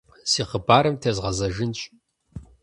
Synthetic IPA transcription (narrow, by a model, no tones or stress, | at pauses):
siːχəbaːɾɐmtʰɐzʁɐzɐʒɪnɕʼ